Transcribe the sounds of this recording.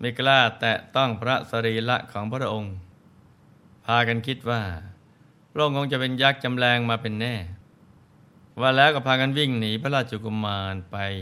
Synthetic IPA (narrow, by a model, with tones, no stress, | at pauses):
ma˥˩klaː˥˩t̪ɛː˨˩t̪ɔ˥˩ŋpʰɾa˦˥sa˧ɾiː˧la˦˥ʔkʰɔː˩˦ŋpʰa˧˥ɾa˦˥ʔo˧ŋ | pʰaː˧ka˧nkʰi˦˥t̪̚waː˥˩ | pʰɾa˥ʔo˧ŋkʰo˧ŋt͡ɕa˨˩pe˧njaː˦˥˩k̚t͡ɕa˧mlɛː˧ŋmaː˧pe˧nːɛː˥˩ | waː˧lɛː˦˥wkaː˥˩pʰaː˧ka˧nwi˥˩ŋniː˩˦pʰa˥la˧˥˩t͡ɕu˨˩ku˧mːaː˧npa˧j